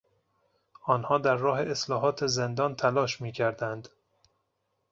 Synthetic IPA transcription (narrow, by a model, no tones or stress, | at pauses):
ʔɒːnhɒːd̪æɾːɒːɦe̞ʔeslɒːɦɒːt̪ʰezend̪ɒːnt̪ʰælɒːʃmiːcʰæɾd̪ænd̪